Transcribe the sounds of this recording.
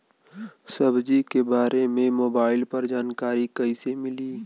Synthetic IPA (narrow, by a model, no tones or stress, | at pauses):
səbd͡ʒikebaːɾemẽmoːbaːɪlpɐɾd͡ʒaːnkaːɾikəɪsemɪliː